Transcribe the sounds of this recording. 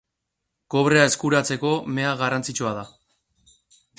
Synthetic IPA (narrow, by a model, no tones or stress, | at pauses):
ko̞β̞ɾe̞ae̞skuɾat͡se̞ko̞me̞aɣarant͡sit͡ʃuað̞a